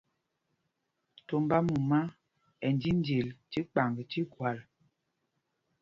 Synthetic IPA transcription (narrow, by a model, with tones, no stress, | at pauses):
to˨mba˦mu˨ma˦ | ɛ˨n˨di˦n˦di˨lti˦k͡pa˨ŋɡə˨ti˦kwa˨l